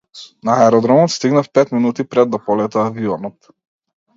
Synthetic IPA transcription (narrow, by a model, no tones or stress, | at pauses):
naɛɾɔd̪ɾɔmɔt̪st̪iɡnafpɛt̪minut̪ipɾɛd̪ːapɔlɛt̪ɛːviɔnɔt̪